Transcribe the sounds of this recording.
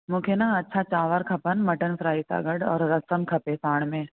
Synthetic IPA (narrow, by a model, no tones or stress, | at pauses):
mũːkʰenaɐtːʃʰat͡ʃaːʋəɾkʰɐpənmɐʈənsɾaːit̪a̰ːɡəɽɔ̰ːɾːɐsəmkʰɐpẽsaːɽ̃mẽː